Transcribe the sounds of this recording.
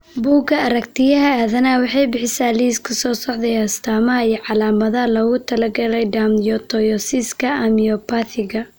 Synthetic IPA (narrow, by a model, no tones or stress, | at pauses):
buːɡɐɐɾɐkt̪ʰɪjɐɦɐaːðɐnawɑħɑjbɪħɪsaːliskʰɐsɔːsɔʕd̪ɛjɐst̪ʰaːmɐɦɐijɐʕɑlaːmɐðɐɦɐlɔːɣʊt̪ʰɐlɐɡɐlɛjɖ̪amjɔt̪ʰɔjɔsiskʰɐɐmiɔpʰaθɪɣɐ